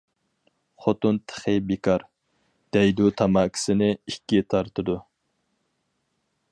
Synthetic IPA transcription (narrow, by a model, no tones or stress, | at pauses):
χot̪unt̪ʰə̥χəbekʰɑɾ | d̪̥ɛjd̪ut̪ʰɑmɑːkʲʰi̥sɪnɪikʲːit̪ʰɑɾt̪ɨd̪u